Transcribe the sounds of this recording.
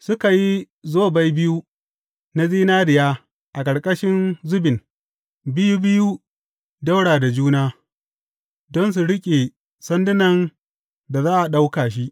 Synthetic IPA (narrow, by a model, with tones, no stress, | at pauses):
sʊ˦ka˨ji˦ | zoː˦ba˦jbɪ˦ju˦ | na˦ziː˦naː˦dɪ˨jaː˦ | ʔa˨kʼɐ˨ɽkʼɐ˦ʃɪ˦nzʊ˦bɪ˨n | bɪ˦ju˦bɪ˦ju˦ | da˦wɽaː˨da˨d͡ʒuː˦naː˦ | dɔ˦ns̬u˨ɽɪ˦kʲʼe˨ | sɐ˦ndɪ˦nɐ˨n | da˨zaː˦ʔa˨ɗa˦wkaː˨ʃi˦ʔ